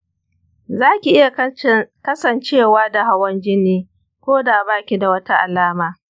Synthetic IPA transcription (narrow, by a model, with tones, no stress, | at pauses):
zaː˦kʲi˨ʔɪ˦ja˨kɐ˦sɐ˨nt͡ʃeː˦˨waː˦da˨ɦa˦wɐ˦nd͡ʒɪ˦niː˦ | kʷoː˦daː˨a˨baː˦kʲi˨da˨wɐ˦ta˦ʔa̰˨laː˦maː˨